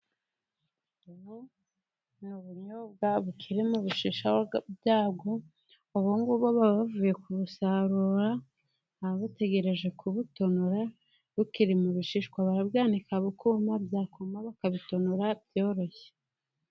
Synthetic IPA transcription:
uβo | nuβuɲobɡaβukʰiɾemuβiʃiːʃaobjaːbɡo̞ | oβoŋɡuβoβaβavuːje̞kuβusaɾuɾa | aβaβate̞ɡe̞ɾe̞ʒe̞kʰuβutonuɾa | βukiɾimuβiʃiːʃkwaβaɾabɡaːnikaβukumabjaːkumaβakaβitonuɾabjo̞ːɾo̞çe̥

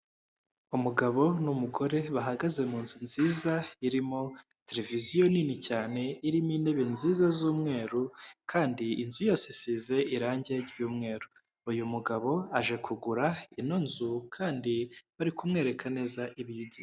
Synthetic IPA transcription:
umuɡaβo̞numuɡo̞ɾe̞βaɦaɡaze̞muːnzinziːzaiɾimo | te̞ɾe̞vizijo̞ninicaːne̞iɾimine̞βe̞nziːzazuːmŋe̞ːɾukʰaːndiinzujo̞ːsisiːze̞ʔiɾaːɲɟieɾɟuːmŋe̞ːɾuː | jumuɡaβo̞aʒe̞kʰuɡuɾainonzukʰaːndiβaɾikumŋe̞ːɾe̞kʰane̞zaʔiβijuɟi

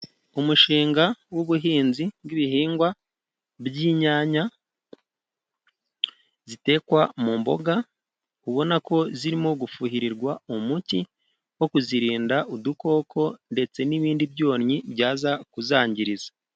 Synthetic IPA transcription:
umuʃiːŋɡawuβuɦiːnziɡiβiɦiːŋɡwa | bjiːɲaːɲa | zite̞ːkwamuːmbo̞̰ɡa | uβo̞nako̞ziɾimo̞ɡufuɦiɾiɾɡwaumuci | wo̞kuziɾiːndaʔuduko̞ːkʰo̞nde̞t͡se̞niβiːndibjo̞ːnɲibɟaːzakuzaːɲɟiɾizḁ

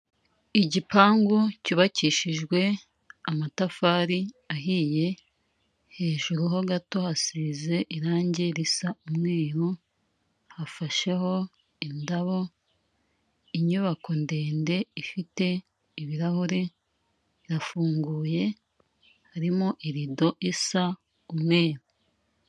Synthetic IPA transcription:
iɟipaːŋɡuciβaciːʃiʒɡwe̞ | amatafaːɾi | aɦije̞ | he̞ːʒuɾuɦo̞ɡato̞hasiːze̞ʔiɾaːɲɟe̞ɾisaumŋeːɾo | hafaʃe̞ho̞ | indaβo̞ | iɲuβako̞nde̞ːnde̞ifite̞ | iβiɾahoɾe̞ | iɾafuːŋɡuːje̞ | haɾimoʔiɾido̞ʔisa | umŋe̞ːɾu

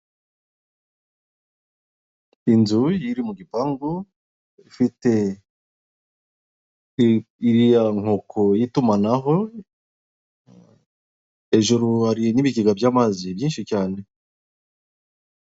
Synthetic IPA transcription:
inzujiɾimuɡipaŋɡo | ifite̞ | iɾijaŋ̥okʰojitumanaɦo̞ | e̞ʒuɾuhaɾiniβiɡiɡabjaːmazibjiːnʃicaːne̞

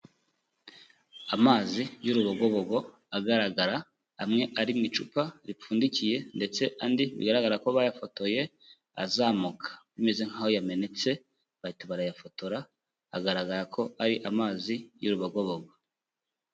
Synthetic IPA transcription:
amaːzijuɾuβaɡo̞βoɡo̞ | aɡaɾaɡaɾaː | mŋe̞ʔaɾimŋit͡ʃupaɾifuːndicije̞nde̞t͡se̞andiβḭɡaɾaɡaɾakoβajafo̞to̞je̞ | a̰zaːmukʰḁβime̞zeŋ̥ahojame̞ne̞t͡se̞ | βaitaβaɾajafo̞toɾaː | ɡaɾaɡaɾakʰo̞aɾiʔamaːzijuɾuβaɡo̞βoɡo

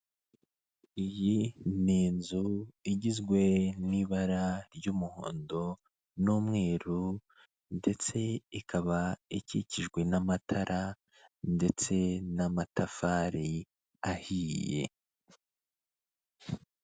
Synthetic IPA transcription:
ijiniːnzuiɟizɡwe̞niːβaɾaɾjuːmuho̰ːndo̞ | nuːmŋe̞ːɾu | nde̞t͡se̞ikʰaβaicḭciʒɡwe̞namatʰaɾʔa | nde̞t͡se̞namatʰafaːɾi | ahiːjje̞̰

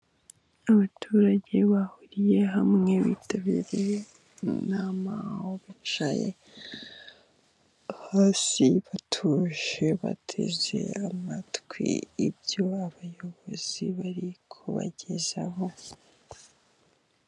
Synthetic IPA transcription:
aβatʰuːɾaɟe̞βahuɾije̞ɦamŋe̞βitaβiɾe | nama̰hoβat͡ʃa̰jḛ | haːsiβatʰuʒe̞βa̰tʰḛze̞̰amatkwḭibjo̞aβajo̞βo̞z̥iβaɾikʰuβa̰ɟe̞za̰ho̞

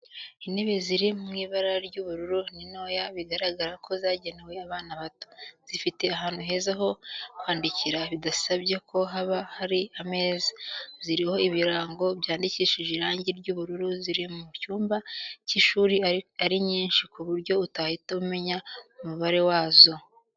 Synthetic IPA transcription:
ine̞βe̞ziɾimumŋiːβaɾaɾɟuβuɾuɾunino̞ːjaβiɡaɾaɡaɾakʰo̞zaːɟe̞newe̞aβaːnaβato̥z̥ifite̞aɦaːn̥huɦe̞ːzaɦo̞kwaːndiciɾaβidasaβɟekʰo̞ɦaβahaɾiame̞ːziziɾiho̞iβiɾaːŋɡo̞bjaːndiciːʃiʒeɾaːɲɟiɾɟuːβuɾuɾuziɾimumucuːmbaciʃuːɾiaɾiɲiːnʃikuβuɾɟo̞utahitaume̞ɲaumuβaɾe̞waːzo̞

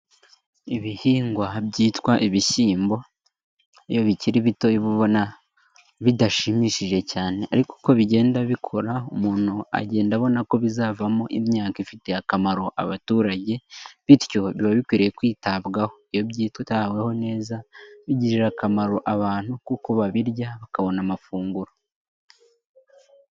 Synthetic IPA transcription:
iβihiːŋɡwabɟiːtwaʔiβiʃiːmbo̞ | ḭjo̞βiciɾiβito̞iβuβo̞na | βidaʃimiʃiʒe̞caːne̞ʔaɾiko̥ko̞βiɟe̞ːndaβikʰo̞ɾaumuːn̥hua̰ɟe̞ːndaβo̞nako̞βizaːvamo̞ʔimɲaːkaifite̞akamaɾo̞ʔa̰βatuːɾaɟe̞βitjo̞βiβaβikwiːɾejekwiːtaβɡaho̞ijo̞βɟiːtwetawe̞ho̞ne̞ːzaβiɟiɾiɾakamaɾo̞ʔaβaːn̥hukuko̞βaβiɾɟaβakaβo̞namafuːŋɡuɾo

